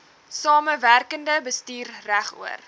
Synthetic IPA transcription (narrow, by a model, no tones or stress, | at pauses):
sɑːməværkəndəbəstiːrræχṵər